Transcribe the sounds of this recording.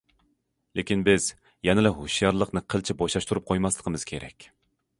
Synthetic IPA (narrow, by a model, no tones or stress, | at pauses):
lekʲinbɪz | jɛnɪlɛɦoʃijɑɾlˠəqnɨqʰəlt͡ʃʰiboʃɑʃt̪uɾup̚qʰojmɑslˠə̥qʰəmɨz̥kʲʰeɾɛ̰kʲ